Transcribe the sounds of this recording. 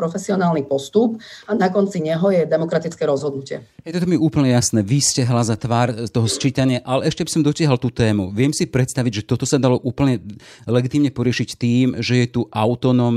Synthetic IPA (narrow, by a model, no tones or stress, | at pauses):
ɾɔfɛsiɔnaːlnipɔst̪upanakɔnt͡siɲɛɦɔjɛd̪ɛmɔkɾat̪it͡skɛɾɔzɦɔd̪nucɪɛ̰ɦɛjt̪ɔt̪ɔmiuːpl̩ɲɛjasnɛːʋiscɛɦlazat̪ʋaːɾt̪ɔɦɔst͡ʃiːt̪aɲɪaʔalɛɛʃcɛbisɔmd̪ɔcɪaɦalt̪uːt̪ɛːmṵʋɪɛmsipɾɛt̪st̪aʋiɟʒɛt̪ɔt̪ɔsad̪alɔʔuːpl̩ɲɛ | lɛɡit̪iːmɲɛpɔɾɪɛʃict̪iːmʒɛjɛt̪uʔaʊt̪ɔnɔm